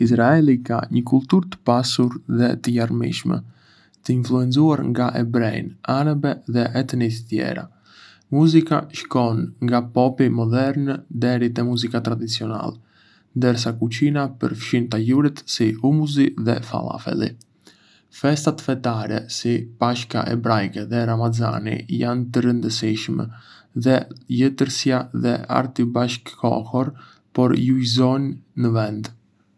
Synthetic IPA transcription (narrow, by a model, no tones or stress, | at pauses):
isɾaɛlika̰ɲəkulˠt̪uɾt̪ə̥pasuɾðɛt̪əjaɾmḭʃmɛ̰ | t̪əinfluɛnt͡suaɾŋɡaʔɛbɾɛj̰naɾabɛðɛʔɛt̪nis̬t̪jɛ̰ɾa̰ | muzikaʃkɔnŋɡapɔpimɔd̪ɛɾnd̪ɛɾit̪ɛmuzikat̪ɾad̪it͡siɔna̰lɛ | nd̪əɾs̬akut͡ɕinapə̰ɾfʃint̪ajuɾit̪siumuziðɛ̰fa̰lˠa̰fɛ̰lḭ | fɛst̪at̪fɛt̪aɾɛ̰sipaʃka̰ʔɛbɾajkɛðɛɾamaza̰nḭjant̪əɾənd̪əsiʃmɛ̰ | ðɛjət̪əɾsjaðɛa̰ɾt̪ibaʃkʰːɔ̰hɔɾ | pɔɾjujzɔnːəvɛnd̪